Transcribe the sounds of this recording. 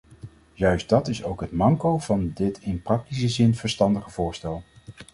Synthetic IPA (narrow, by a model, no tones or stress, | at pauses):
jœɥsdɑtɪsowkɦətmɑŋkowv̥ɑndɪtʰɪnprɑk̚tisəzɪnv̥əɹstɑndəχəvʊːɹstɛlˠ